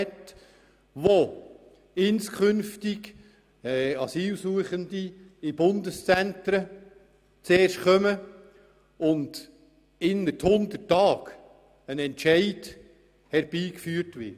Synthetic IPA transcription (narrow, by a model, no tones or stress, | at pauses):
t | ʋo | ɪnskʰχʏnftɪɡ | ɛɑsiːlsuəχənd̪iɪb̥ʊndəst͡sæntɾə | t͡seːrʃtχœmə | ʊnd | ɪnəthʊnd̪ətːɑːk | ənɛntʃɛɪd | hɛɾb̥iːkfyːɾtʋɪ̰